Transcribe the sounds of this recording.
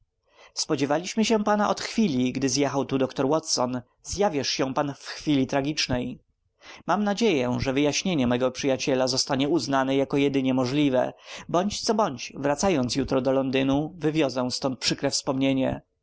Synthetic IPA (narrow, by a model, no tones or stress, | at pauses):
spɔd͡ʑevalʲiɕmɘɕɛ̃panaʔɔt̪xfʲilʲiɡd̪ɘzjɛxawt̪ud̪ɔkt̪ɔɾwɔt̪sɔn | zjavʲjɛʂɕɛ̃panfxfʲilʲit̪ɾaɡʲit͡ʂnɛj | mamnad͡ʑejɛʐɛvɘjaɕɲeɲɛmɛɡɔpʂɘjat͡ɕɛlazɔst̪aɲɛuznanɛjakɔjɛd̪ɘɲɛmɔʐlʲivɛ̰bɔɲt͡ɕt̪sɔbɔɲt͡ɕvɾat̪sajɔnt̪sjut̪ɾɔd̪ɔlɔnd̪ɘnuvɘvʲjɔzɛ̃st̪ɔnt̪̚pʂɘkɾɛfspɔmɲeɲɛ̰